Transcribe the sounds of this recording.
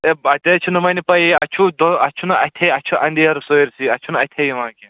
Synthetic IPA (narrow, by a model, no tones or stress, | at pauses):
eɐt̪et͡ʃʰunɐmɐnipɐiɐt͡ʃʰud̪oɐt͡ʃʰunɐɐt̪ʰeɐt͡ʃʰuʔɐnd̪iɐɾsoiɾsiɐt͡ʃʰunɐt̪ʰejimãːki